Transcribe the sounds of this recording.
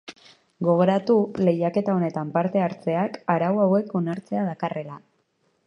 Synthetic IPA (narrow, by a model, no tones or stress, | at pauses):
ɡo̞ɣ̞o̞ɾat̪ule̞jake̞t̪ao̞ne̞t̪ampaɾt̪e̞aɾt͡se̞akaɾawawe̞ko̞naɾt͡se̞aðakare̞la